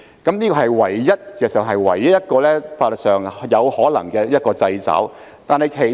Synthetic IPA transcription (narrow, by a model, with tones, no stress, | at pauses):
kɐ˨˥mniː˥kɔː˧hɐ˨jwɐ˨˩jːɐ˥t̚si˨ɛ˨˩sœː˨˩ŋɦɐ˨jwɐ̰˨˩jːɐ˥t̚jɐ˥t̚kɔː˧lɛː˥faː˧lə˨k̚sœː˨˩ŋjɐ˨˧whɔː˨˥lɐ̰˨˩ŋkɛː˧jɐ˥t̚kɔː˧t͡sɐ˧jt͡sɐ̰˨˥w | t̪aː˨˧nhɐ˨jkʰe˨˩